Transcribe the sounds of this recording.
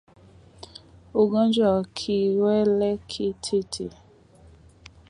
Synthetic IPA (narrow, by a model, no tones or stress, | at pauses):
oɡãd͡ʒɔkʰiwɛlɛkʰitʰetʰḭ